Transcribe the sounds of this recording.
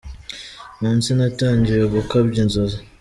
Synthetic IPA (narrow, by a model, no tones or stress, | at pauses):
muːnsinataːɲɟiɾaβukabɟinzoza